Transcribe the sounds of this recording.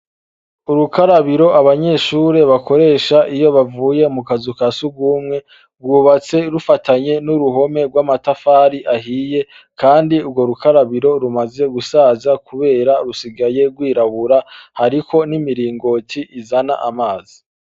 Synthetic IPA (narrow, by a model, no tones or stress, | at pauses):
uɾukʰaɾaβiɾo̞ʔaβaɲe̞ʃuːɾe̞βakʰo̞ɾe̞ːʃaʔijo̞βavuːje̞mukazukasuɡuːmŋe̞ | ɡuβat͡se̞ɾufataɲe̞nuɾuɦo̞me̞ɡwamatafaːɾiʔaɦiːje̞ | kaːndiubɡwo̞ɾukaɾaβiɾo̞ɾumaze̞ɡusaːzakʰuβe̞ːɾaɾusiɡaje̞ɾɡwiːɾaβuɾahaɾikʰo̞nimiɾiːŋɡo̞tʰiʔizana̰ʔamaːz̥i